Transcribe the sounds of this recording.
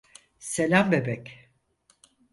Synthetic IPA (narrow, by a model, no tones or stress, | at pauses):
se̞lʲambe̞bɛc